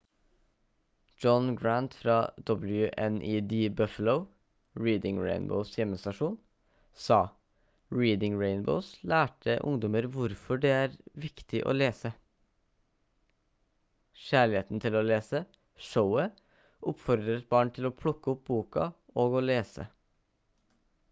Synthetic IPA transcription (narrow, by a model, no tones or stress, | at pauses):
d͡ʒɔnɡɹænt̪fɾɑːd̪̥ɔbl̩jʉʔɛnʔiːd̪iːbœfələʊ | ɹiːd̪ɪŋɹḛɪnbə̰ʊsjɛmːəst̪ɑʂuːn | sɑː | ɹiːd̪ɪŋɹeɪnbə̰ʊslæːʈəʔʊ̰ŋd̪ɔməɾʋʊɾfɔɖɛæːɾʋɪkt̪ɪʔo̰ːleːsə | ʃæːɭɪeːt̪n̩t̪ʰɪloːleːsə | ʂəʊə | ʔʊpfɔɾd̪ɾət̪̚bɑːɳt̪ʰɪloːpʰɽʊkːəʊp̚buːkɑ̰oːɡoːleːsə̰